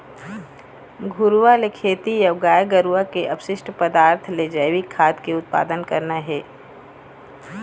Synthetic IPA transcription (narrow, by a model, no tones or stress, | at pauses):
ɡʱʊɾʋalekʰeːt̪ijɐʋɡaːjɡəɾuʋakeʔɐpʃɪʃʈʰpəd̪aːɾt̪ʰled͡ʒəɪʋikʰːaːd̪keʊt̪̚pa̰ːd̪ənkɐɾnaɦɛː